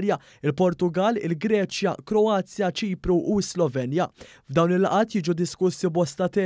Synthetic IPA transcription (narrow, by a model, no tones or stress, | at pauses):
ɾjɐ | ɪlpɔɾt̪ʊɡɐlːɪ̰lɡɾɛːt͡ʃjɐkɾɔɐːt͡sːjɐt͡ʃiːpɾuʔːɪslɔvɛnjɐ | vd̪ɐwnɪlːɐʔɐːt̪jiːd͡ʒud̪ɪskʊsːibɔst̪ɐt̪ɛː